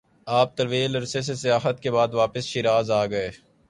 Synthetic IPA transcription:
aːp̚t̪ɐɾʋiːlɐɾses̬esɪjaːɦət̪̚kebaːd̪ʋaːpəsʃiɾaːzaːɡɐeː

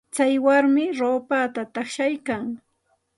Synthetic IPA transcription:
t͡sajwaɾmɪɾoːpat̪at̪ɑχʃajkaŋ

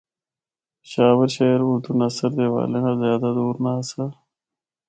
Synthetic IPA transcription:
ɕaːwəɾɕeɾuɾd̪unɐsɐɾd̪ewa̰ːlenazjaːd̪ad̪oːɾnasa

